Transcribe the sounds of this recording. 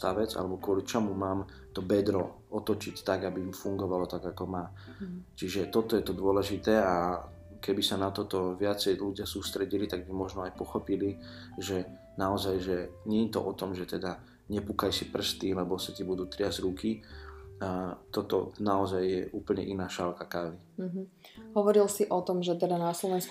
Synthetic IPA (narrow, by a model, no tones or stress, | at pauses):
t̪aʋɛd͡za̰lɛbɔkʊɔlit͡ʃɔmumaːm | t̪ɔbɛd̪ɾɔ | ɔt̪ɔt͡ʃict̪aɡabimfuŋɡɔʋalɔt̪aɡakɔmaː | t͡ʃiʒɛt̪ɔt̪ɔjɛt̪ɔd̪ʊɔlɛʒit̪ɛːa | kɛbisanat̪ɔt̪ɔʋɪat͡sɛjluɟɪasuːst̪ɾɛɟilit̪aɡ̚bimɔʒnɔajpɔxɔpili | ʒɛ | naɔzajʒɛɲɛɲɛt̪ɔ̰ʔɔt̪ɔmʒɛt̪ɛd̪a | ɲɛpukajsipr̩st̪ilɛbɔsɛt̪ibud̪uːt̪ɾɪazɾuki | t̪ɔt̪ɔnaɔzajːɛʔuːpl̩ɲɛ̰ʔinaːʃalkakaʋi | ɦ̩ | ɦɔʋɔɾilsiʔɔt̪ɔmʒɛt̪ɛd̪anaslɔʋɛnsk